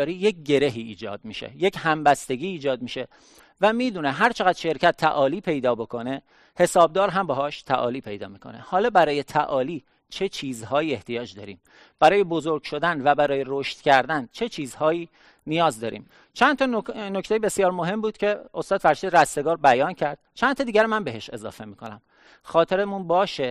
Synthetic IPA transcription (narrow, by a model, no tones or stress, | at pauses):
ɾiːje̞c̚ɟe̞ɾe̞ɦiːd͡ʒɒ̰ːd̪̚miʃḛje̞chæmbæst̪e̞ɡʲiːd͡ʒɒːd̪̚miːʃe̞ | væmiːd̪uːneɦæɾt͡ʃʰe̞ɣæd̪̥ʃe̞ɾcʰæt̪ʰːæ̰ʔɒːliːpʰe̞jd̪ɒːbo̞kʰo̞ne̞ | he̞sɒːb̚d̪ɒːɾɦæmbɒɦɒːʃt̪ʰæ̰ʔɒ̰ːliːpʰe̞jd̪ɒ̰ːmiːkʰo̞̰ne̞̰hɒːlɒːbæɾɒːje̞t̪ʰæʔɒːliː | t͡ʃʰe̞t͡ʃʰiːzhɒːjiːe̞ht̪ʰijɒːd͡ʒd̪ɒ̰ːɾḭːm | b̥æɾɒːje̞bozoɾɡ̥ʃo̞d̪ænvæbæɾɒːje̞roʃt̪cʰæɾd̪ænt͡ʃʰe̞t͡ʃʰiːzhɒːjiː | nijɒːzd̪ɒːɾḭːm | t͡ʃʰænt̪ʰɒnocʰt̪ejebe̞sjɒːɾmoɦe̞mbuːd̪̥cʰe̞ost̪ɒːd̪fæɾʃiːd̪ɾæst̪e̞ɡɒːɾbæjɒːncʰæɾd̪̥t͡ʃʰænt̪ʰɒːd̪iːɟʲæɾmænbeɦeʃe̞zɒ̰ːfe̞miːkʰo̞næ̰m | xɒːt̪ʰe̞ɾemunbɒːʃe